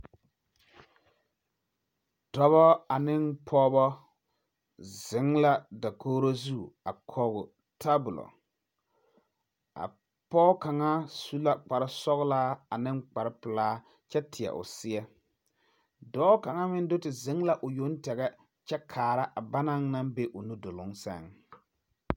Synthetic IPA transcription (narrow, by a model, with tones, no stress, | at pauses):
d̥ɔ˦βɔ˦a˨nɪ˦npʰɔː˦bɔ˦ | zɪ˨˦ŋla˦da˨kʰoː˦ɾo˦zu˦˨a̰˨kʰɔː˨ɣʊ˨ | tʰa˦bʊ˨lɔ̰˨ | a̰˨ | pɔː˦ka˨ŋa˦su˦la˦k͡pa˨ɾɪ˦sɔ˦ɣlaː˦a˨nɪ˦ŋk͡pa˨ɾɪ˦pɪ˨laː˦ | t͡ʃɛ˦tʰɪ˨ɛ̰˨ʔʊ̰˨sɪ˦ɛ˦ | dɔː˨˦ka˨ŋa˦mɪ˦n˦dʊ˦tɪ˨zɪ˨˦ŋla˦ʔʊ˨jo˦ntɛ˨ɣɛ˦ | t͡ʃɛ˦kʰaː˨ɾa˦ʔa˨ba˦na˦ŋna˦mbe˦ʔʊ˨nu˦dʊ˨lʊ˨˦ŋsɛ̰˦˨ŋ